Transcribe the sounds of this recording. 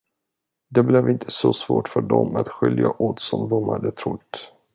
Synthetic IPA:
d̪ɛblɛvɪnt̪ʰəsɔsvoːʈfœɖɔmat̪ɧʏljaʔot̪sɔmd̪ɔmhad̪ːət̪ʰɾʊt̪ː

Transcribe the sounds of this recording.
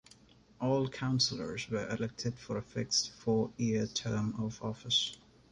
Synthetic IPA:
ʔɔːlˠkʰãʊ̃nsəl̩ə̰˞zwə˞ʔɪlɛk̚tʰɪd̥fəɹɨfɛk̚tsfɔiətʰɜ˞mɔvɔfəs

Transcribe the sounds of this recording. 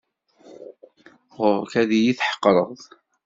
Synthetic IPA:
ʁʊɾˤkæðijiθħə̥qːɾˤəðˤ

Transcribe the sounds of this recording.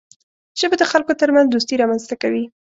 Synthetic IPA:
ʒ̥əbed̪əxalkot̪əɾmanzd̪ust̪iɾɑmanzt̪akawi

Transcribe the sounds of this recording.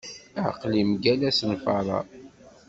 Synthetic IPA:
əʕqlimɡælæsnfɑɾˤɑ̰

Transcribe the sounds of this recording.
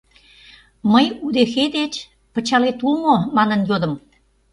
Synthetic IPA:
məjud̪exed̪et͡ɕ | pə̆t͡ɕɑlet̪ulmomɑnənjod̪ə̆m

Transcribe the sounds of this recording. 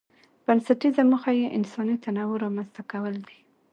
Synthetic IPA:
b̥ansat̪izaməxajeʔɪ̰nsɑnit̪anawʊɾɑmanst̪akawəld̪i

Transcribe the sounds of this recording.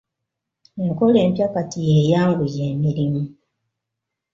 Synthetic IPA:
ŋ̩koleːm̩pjakatijejaːŋɡujeːmiɾimu

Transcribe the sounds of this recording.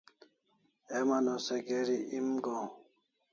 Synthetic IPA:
emanoseɡeɾiimɡo

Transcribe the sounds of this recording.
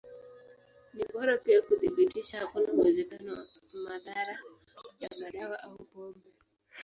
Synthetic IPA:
niɓɔɾapiakuθiɓitiʃahakunawɛzɛkanɔmaðaɾa | jaɡaɗawaʔaupɔmbɛ

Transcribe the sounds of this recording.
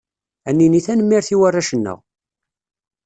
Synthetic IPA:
ænːiniθænəmːiɾθiwarːaʃənːə̰ʁ

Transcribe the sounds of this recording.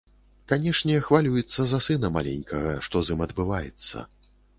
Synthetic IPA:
kanʲɛʂnʲɛxvalʲujɛt̪sːɐzɐsɨnɐma̰lʲɛ̰nʲkʰɐɣɐʂt̪ɔzʲɨmɐd̪bɨvajɛ̰t̪sːɐ̰

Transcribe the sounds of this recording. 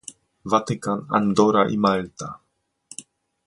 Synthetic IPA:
vat̪ɪkana̰nd̪ɔɾaʔḭmalt̪a

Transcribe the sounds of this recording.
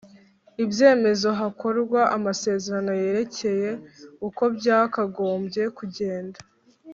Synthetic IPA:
ibje̞ːme̞zo̞ɦako̞ɾɡwaʔamase̞ːze̞ɾano̞je̞ɾe̞ce̞je̞uko̞bɟaːkaɡo̞ːmbɟje̞kuɟe̞ːndḁ

